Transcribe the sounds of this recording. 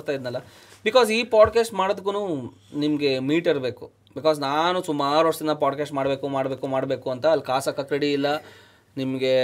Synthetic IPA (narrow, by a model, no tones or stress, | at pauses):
ɾt̪aːjid̪nɐlːɐ | bikɔːziːpaːɖkeːsʈmaːɽod̪ukːunuː | nimɐɡe̞miːʈiɾbe̞ːku | bikaːznaːnusumaːɾuʋɐʂɐd̪ind̪ɐpaːɖkeːsʈmaːɽbe̞ːkumaːɽbe̞ːkumaːɽbe̞ːkuɐnt̪ɐːlkaːsɐkːɐkɾeɽiːlːɐ | nimɐɡe̞